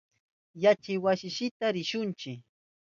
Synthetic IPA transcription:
jat͡ʃɪjwasɪʃɪt̪aɾɪʃʊnt͡ʃɪ

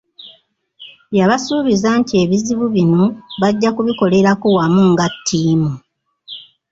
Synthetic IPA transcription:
βjaβasuːβizantie̞βiziβuβino̞βaɟːakuβiko̞le̞ɾakuwamuŋɡatʰːiːmu

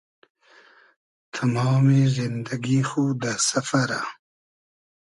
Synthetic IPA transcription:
t̪ʰamawmezind̪aɡixud̪asafaɾa

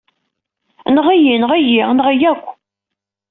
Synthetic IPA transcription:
nəʁijinəʁijiʁnəʁəjækʷː

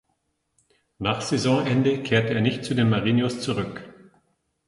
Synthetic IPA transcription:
naːχz̥ezɔ̃ʔɛndəkʰeːɐtəeːɐnɪçt̚t͡sudeːnmaʁiːnjʊst͡suʁʏk

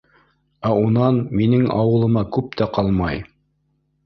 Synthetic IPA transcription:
æunɑnminɘŋɑ̰wɤ̆lˠɤ̆mɑkʉp̚t̪æqɑlˠmɑj

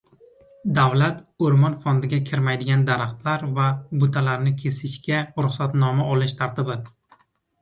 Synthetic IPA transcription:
d̪avlat̪oɾmɒnfond̪ɪɡʲakʲʰɪɾmajd̪ɪɡʲand̪aɾaχt̪laɾvabʊt̪ʰalaɾnɪkʲʰe̞sɪʃkʲaɾʊχsat̪nɒmaʔɒlˠɪʃt̪ʰaɾt̪ɪbɪ

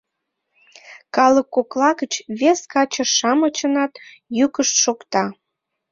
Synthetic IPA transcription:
kɑləkːoklɑɣət͡ɕβeskɑt͡ɕəʃːɑmət͡ɕənɑt̪ | jykəʃt̪ʃokt̪ɑ

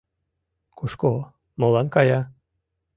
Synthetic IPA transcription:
kuʃko | molɑnkɑjɑ

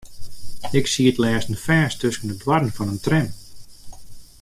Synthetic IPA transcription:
ɪksiətlɛːsən̩fɛːstʰøskənədwaɾənfɔnəntrɛn

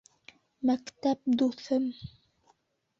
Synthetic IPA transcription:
mækt̪æp̚d̪uθɘm

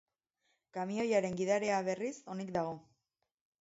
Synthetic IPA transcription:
kamio̞jaɾe̞ŋɡiðaɾe̞aβe̞riso̞nik̚d̪aɣ̞o̞

